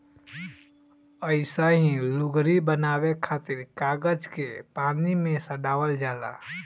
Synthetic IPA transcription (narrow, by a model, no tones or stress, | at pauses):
əɪsaɦĩlʊɡɾibənaːwekʰaːt̪ɪɾkaːɡəd͡ʒkepaːnimẽsəɖaːwəld͡ʒaːla̰ː